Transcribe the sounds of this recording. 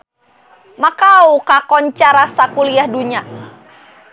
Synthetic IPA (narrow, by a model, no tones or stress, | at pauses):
makaukakɔɲt͡ʃaɾasakuliahduɲa